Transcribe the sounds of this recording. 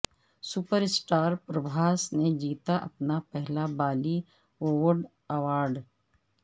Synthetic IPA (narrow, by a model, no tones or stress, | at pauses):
sʊpəɾɪsʈaːɾpɾəbʱaːsned͡ʒiːt̪aʔɐpnapɛɦlabaːli | oːʋəɾɖ | ɐʋaːɾɖ